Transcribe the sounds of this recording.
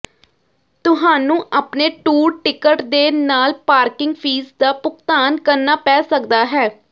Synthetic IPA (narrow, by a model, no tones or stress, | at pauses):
t̪ʊɦaːnũːʔaːpneːʈuːɾʈɪkəʈd̪eːnaːlpaːɾkɪŋɡpʰiːsd̪aːpʊkt̪aːnkəɾnaːpɛːsəkd̪aːɦɛː